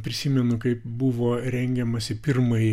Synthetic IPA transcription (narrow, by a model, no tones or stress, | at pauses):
pʲɾʲɪsʲiːmʲɛnʊkɐɪpbuʋoːɾʲɛŋʲɡʲɛmɐsʲɪpʲɪɾmɐj